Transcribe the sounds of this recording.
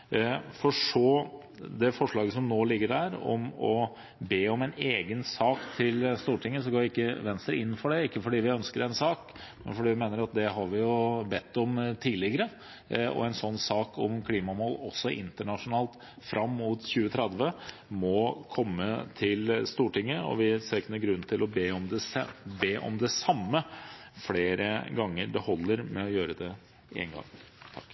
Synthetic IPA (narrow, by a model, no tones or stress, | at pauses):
fɔʂɔː | d̪ɛfɔʂɭɑːɡəsɔmnoːlɪɡːəhæːɾɔ̰mɔ | beːɔmɛneːɡənsɑːkt̪ʰɪlst̪uːʈʰɪŋːəs̬ɔɡoːʋʊɪkːəʋɛnst̪ɾə̰ɪnːfɔɖɛɪkːəfɔɖiːʋɪœnskəɾɛnsɑːk | mɛ̰nfɔɖiːʋɪmeːnəɾɑt̪̚d̪ɛɦɑɾʋɪjʊbɛt̪ːɔmt̪ʰiːlɪɡəɾə | ɔ̰ɛnsɔnːsɑːkʰɔ̰mkʰliːmɑɔmhɔlːɔsːɔʔɪnt̪əɳɑʂʊnɑːlt̪ | fɾʔɑmːuːt̪çʉːət̪ʰɾɛd̪ʋə | mɔkʰɔmːət̪ʰɪlst̪uːʈɪŋːəɔ̰ʋɪseːknəɡɾʉnːt̪ʰɪlɔbeːɔmd̪ɛsbeːʔɔ̰md̪ɛsɑmːəfleːɾəɡɑŋːəɖɛhɔlːəɾmɛɔjøːɾəd̪ɛ | ɪɛ̰nɡɑ̰ŋ | t̪ʰɑkː